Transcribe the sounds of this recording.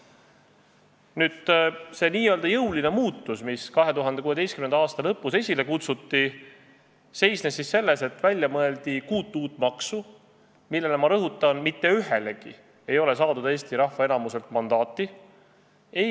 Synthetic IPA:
nyːd̪̥se̞niːjø̞ld̪ɑjɤwline̞muːt̪ːusmiskɑɦe̞t̪uɦɑnd̪e̞kuːeest̪̚kymnenɑɑːst̪ɑlɤpːˑuse̞sʲile̞kut̪sut̪ːi | se̞jsnesːisːe̞lːe̞se̞t̪ˑvælʲjɑmɤe̞ld̪̥ikuːt̪ˑːuːt̪ːˑmɑksu | milːe̞lemɑɾɤɦut̪ːˑɑnmit̪ˑːe̞yɦele̞ɡ̥ḭ | e̞jo̞le̞s̬ɑːd̪ud̪̥e̞ːst̪iɾɑhvɑe̞nɑmuse̞lt̪mɑnd̪̥ɑːt̪ːˑi | e

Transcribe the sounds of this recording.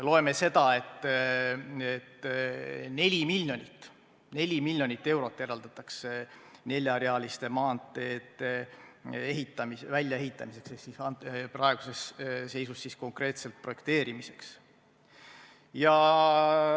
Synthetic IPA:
lo̞e̞me̞se̞d̪̥ɑe̞t̪ːˑ | et̪ː | ne̞lʲimilʲːjo̞nʲit̪ːˑ | ne̞lʲimilʲːjo̞nʲit̪ːe̞wɾo̞t̪ːˑjeɾɑld̪̥ɑt̪ːˑɑksene̞lʲjɑɾeɑlist̪e̞mɑːnt̪ˑe̞ːt̪e | eɦit̪ːˑɑmisvælʲjɑe̞ɦit̪ːˑɑmise̞ksesisɑprɑe̞ɡ̥use̞sse̞jsusːisko̞ŋkre̞ːt̪se̞lt̪̚pro̞je̞k̚t̪e̞ːɾimise̞ks | jɑ

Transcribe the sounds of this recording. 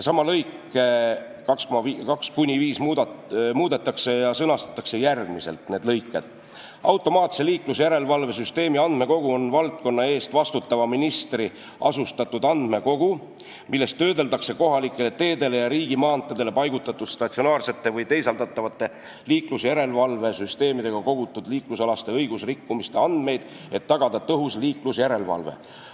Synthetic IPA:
sɑmɑlɤjkːe | kɑkskomɑvikɑkskunʲiviːsmmuːd̪̥e̞t̪ːˑɑkse̞jɑsɤnɑst̪ɑ̥t̪ːˑɑkse̞jærɡ̥mise̞lt̪ne̞ːd̪lɤjkːe̞d̪̥ | ɑ̰wt̪ːˑo̞mɑːt̪se̞liːklusejæɾe̞lvɑlve̞syst̪e̞ːmiɑnd̪̥me̞ko̞ɡ̥uo̞nvɑlt̪̚ko̞nːɑe̞ːst̪vɑst̪ut̪ːɑvɑminist̪ri | ʔɑ̰sust̪ɑt̪ːˑud̪̥ɑnd̪̥me̞ko̞ɡ̥u | milːe̞st̪ːø̞ːd̪e̞ld̪ɑkse̞ko̞ɦɑlikːˑe̞le̞t̪e̞ːd̪e̞le̞jɑɾiːɡ̥imɑːnt̪ˑːɑd̪e̞le̞pɑjɡ̥ut̪ːˑɑt̪ːˑud̪̥st̪ɑt̪sionɑːrse̞t̪ːe̞vɤjt̪e̞jsɑld̪ɑt̪ˑːɑvɑt̪ːˑe̞ | liːklusjæɾe̞lvɑlve̞syst̪e̞ːmid̪e̞ɡ̥ɑko̞ɡ̥ut̪ːˑud̪̥liːklusɑlɑst̪e̞ɤjɡ̥usrikːumist̪e̞ɑnd̪̥me̞jd̪̥ | e̞t̪ːɑɡ̥ɑd̪ɑt̪ɤɦusliːklusjæɾe̞lvɑ̰lvḛ

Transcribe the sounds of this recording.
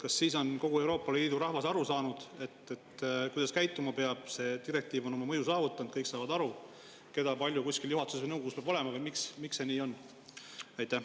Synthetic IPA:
kɑsːiːso̞nko̞ɡ̥ue̞wɾo̞ːpːˑɑliːd̪̥uɾɑhvɑsɑɾusɑːnud̪̥e̞t̪ːet̪kujd̪ɑskæjt̪ˑːumɑpe̞ɑb̥se̞t̪iɾe̞k̚t̪iːvono̞mɑmɤjusɑːvut̪ːˑɑnd̪̥kɤjksɑːvɑd̪ɑɾu | ke̞d̪̥ɑpɑlʲjukusʲkiljuɦɑt̪usvəjnɤwɡ̥oɡuspeɑb̥o̞le̞mɑvɤjmiksmikse̞niːo̞nː | ɑjt̪ːˑæ

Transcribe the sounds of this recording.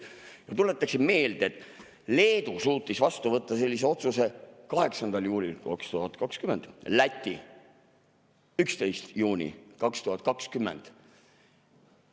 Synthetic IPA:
jɑt̪ule̞t̪ːˑɑksimme̞ːld̪̥ee̞t̪ːˑ | le̞ːd̪usuːt̪ˑːisvɑst̪uvɤt̪ːˑɑse̞lʲːis̬e̞o̞t̪suse̞kɑɦe̞ksɑnd̪̥ɑljuːlʲilkɑ̰kst̪uɦɑt̪ˑkɑkskymend̪̥læt̪ʲːi | ykst̪e̞jst̪juːnʲḭkɑkst̪uɦɑt̪̚ːˑkɑkskymːe̞̰nd̪̥

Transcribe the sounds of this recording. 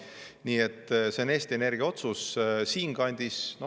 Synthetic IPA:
niːe̞t̪ːˑse̞neːst̪ʲie̞ne̞rɡ̥iɑo̞t̪sussiːŋkɑnʲd̪̥isno̞

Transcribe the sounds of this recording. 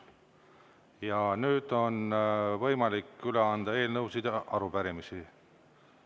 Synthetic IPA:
jɑnyːd̪̥o̞nvɤjmɑlikːyleɑnd̪̥ɑe̞ːlnɤwsid̪̥ɑɾubæɾimisi

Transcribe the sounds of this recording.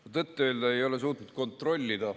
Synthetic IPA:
ɑt̪ɤt̪ˑːeøːld̪ɑe̞jo̞le̞s̬uːt̪nut̪̚ko̞nt̪ˑro̞lʲːid̪ɑ

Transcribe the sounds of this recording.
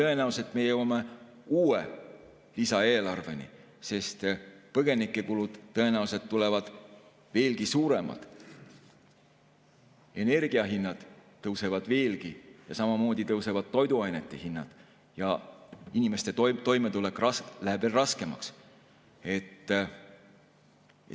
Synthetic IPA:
t̪ɤe̞næuset̪ːˑme̞jɤwɑme̞ | uːḛ | lisɑe̞ːlɑrve̞nḭ | se̞st̪pɤɡ̥e̞nikːˑe̞kulud̪̥ɤ̞e̞næuse̞d̪̥̚t̪ːule̞vɑd̪̥ | ve̞ːlɡisuːɾe̞mɑ̰d̪̥ | e̞ne̞rɡ̥iɑɦinːɑd̪̥ː | ɤwse̞vɑd̪̥ve̞ːlɡijɑsɑmɑmo̞ːd̪̥it̪ɤwse̞vɑd̪̥̚t̪o̞jd̪uɑjnet̪ːˑehinːɑd̪̥ | jɑinime̞st̪e̞t̪t̪o̞jmet̪ulekːˑrɑslæhe̥velrɑske̞mɑ̰ks | e̞t̪ː

